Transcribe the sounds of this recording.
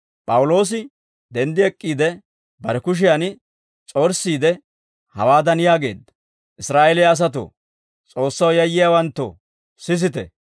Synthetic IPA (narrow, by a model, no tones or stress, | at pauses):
pʼɐwʊlo̞ːs̬ɪ | d̪ɛnd̪ɪɛkʼːiːd̪ɛ | bɐɾɛkʊʃ̬ɪjan | t͡sʼoːɾsːiːd̪ɛ | hɐ̰waːd̪ɐnɪjaːɡe̞ːd̪ɐ̥ | ʔɪsɾaːʔɛlɪjaːs̬ɐt̪o̰ | t͡sʼo̞ːsːɐwjɐjːɪjaːwɐnt̪ːo̰ː | sɪs̬ɪt̪ɛ̰